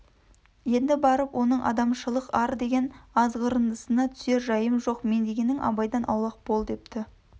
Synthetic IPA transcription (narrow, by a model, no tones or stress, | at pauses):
je̞nd̪ɪbɑɾəpwʔo̞nəɴʔɑ̰d̪ɑmʃəlˠəqɑɾd̪e̞ɡʲe̞nɑzʁəɾənd̪əsənɑt̪ʰʏ̥se̞ɾʒɑjəmʒoqme̞nd̪e̞ɡʲe̞nɪŋɑ̰bɑjd̪ɑnʔɑ̰wlˠɑq̚bo̞lˠd̪e̞p̚t̪ɪ